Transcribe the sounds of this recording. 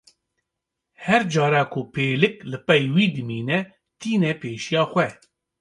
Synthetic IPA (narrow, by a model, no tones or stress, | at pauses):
hɛɾd͡ʒɑːɾɑːkʰupʰeːlɨklɨpɛjwiːd̪ɨmiːnɛ | t̪ʰiːnɛpʰeːʃijɑːxʷɛ